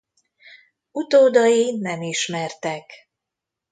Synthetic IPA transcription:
ut̪oːd̪ɒjinɛmiʃmɛrt̪ɛk

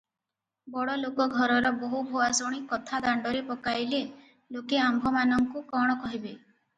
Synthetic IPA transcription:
bɔɽɔlokɔɡʱɔɾɔɾɔboɦubʱoasoɽ̃ikɔt̪ʰad̪aɳɖɔɾepɔkajle | lokeambʱɔmanɔŋkukɔɽ̃ɔkɔɦibe

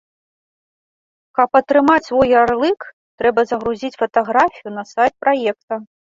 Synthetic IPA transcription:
kɐpɐt̪ɾɨmat͡sʲvɔjarlˠɨk | t̪ɾɛbɐzɐɣɾuzʲit͡sʲfɐt̪aɣɾafʲijunɐsajt̪̚pɾajɛk̚t̪ɐ

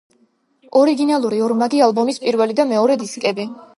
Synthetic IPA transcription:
ɔɾiɡinalˠuɾiɔɾmaɡialˠbɔmispʼiɾvɛlid̪amɛɔɾɛd̪iskʼɛbi

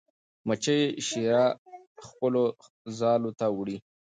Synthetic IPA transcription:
mət͡ʃəjeʃiɾa | xpəlo | zɑlot̪awɽi

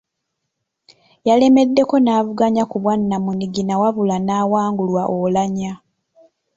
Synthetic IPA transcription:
jale̞me̞dːe̞ko̞naːvuɡaɲakuβwanːamuniɡinawavulanaːwaːŋɡulwaʔolaɲa

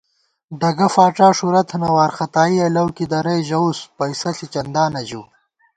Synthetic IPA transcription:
ɖɐɡɐfaːʈaːʂuɾɐt̪ʰnɐwaːɾxɐt̪aːiɐlɐwkid̪ɐɾɐjʑɐuspɐisɐɬit͡ʃɐnd̪aːnɐʑṵː

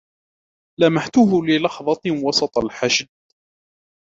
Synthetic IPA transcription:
lamaħt̪ʊɦʊlɪlɑxðˤɑt̪wɑsˤɑt̪ˤɑlħaʃd̪̚

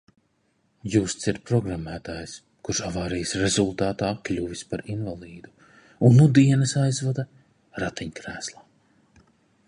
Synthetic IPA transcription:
juːst̪siɾpɾɔɡɾamːæːt̪aːjs | kuɾʃavaːɾijsɾɛzulˠt̪aːt̪aːklʲuvispaɾinvalˠiːd̪u | unːud̪iɛnɐsajzvad̪a | ɾat̪iɲkɾæːslˠaː

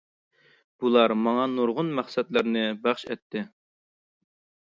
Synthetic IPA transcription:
b̥ulˠɑɾmɑŋɑnuɾʁʊnmæχsɛt̪læɾnɪbɑχʃɛ̰t̪ʰːɪ

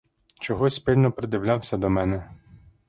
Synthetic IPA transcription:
t͡ʃɔɦɔsʲpɪlʲnɔpɾɪd̪ɪwlʲawsʲɐd̪ɔmɛnɛ

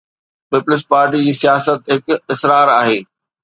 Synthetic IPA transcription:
pɪpʊlɪs̬paːɾʈid͡ʑiːsijaːsət̪ɦɪkɪsɾaːɾaːɦeː

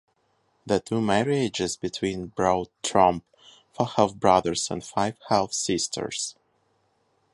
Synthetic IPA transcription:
ðətʰumɛɹid͡ʒɪzbɨtʰw̥ĩnbɹaʊd̚tʰɹʌ̃mp | fəhɛlvbɹʌðə˞z̥ə̰̃ndfaɪv̥hɛlˠθsɪstʰə̰˞s

